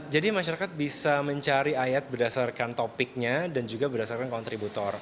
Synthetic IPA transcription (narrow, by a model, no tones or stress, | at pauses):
d͡ʒadimaʃaɾakat̪̚bisaməɲt͡ʃaɾiajat̪̚bərdasarkant̪opɪk̚ɲadand͡ʒuɡabərdasarkankɔnt̪ɾibut̪ɔr